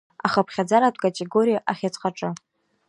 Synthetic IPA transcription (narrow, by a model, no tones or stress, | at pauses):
aχapʰχʲad͡zaɾatʷʰʼkʼatʼeɡo̞ɾijaʔaχʲat͡sʰʼqʼaʈ͡ʂʼɨ